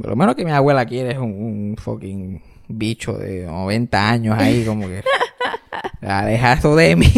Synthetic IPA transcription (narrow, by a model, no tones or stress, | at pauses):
polʔomenoskemiawe̞lakjeɾesuŋuŋfo̰kiŋ | bit͡ʃo̰ðḛno̰βe̞nt̪aaɲosaiko̞moke | aleɦasoðemĩ